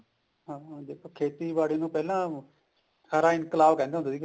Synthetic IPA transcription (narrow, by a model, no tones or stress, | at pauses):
ɦãːd̪eːkʰoːkʰeːt̪iːʋaːɽeːnũːpɛːlãː | saːɾaːɪnkəlaːʋkɛ̃ːnd̪eːonaːd̪iːk